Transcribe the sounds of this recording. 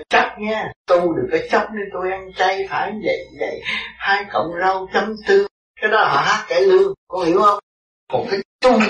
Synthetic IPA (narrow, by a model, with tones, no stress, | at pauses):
t͡ɕə˦˥t̚ɲaː˧t̪ʊ˧ɗɨ˨˩ək̚ːaː˨˦jt͡ɕə˦˥p̚nɨ˨˧t̪o˧jʔɛ˧mt͡ɕa˧jfʰaː˧˩jɲ˧və̰˧˨jvə̰˧˨jhaː˧jkə̰˧˨wŋ͡mzə˧wt͡ɕə˨˦mt̪ɨ˧ | kaː˨˦jɗɔ˨˦hɔ̰˧˨haː˦˥t̚ka˧˩lɨ˧əŋkɔ˧hḭ˧˩˦əwhə˧wŋ͡m | kɔ˨˩nkaː˨˦jt̪u˧